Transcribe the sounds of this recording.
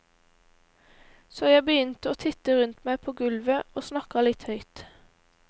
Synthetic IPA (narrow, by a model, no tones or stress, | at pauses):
soːjæɪbəjʏnt̪əoːt̪ʰɪt̪əʁʉnt̪mæɪpʰoːɡʉlʋəoːsnɑkɑlɪt̪hœʏt̪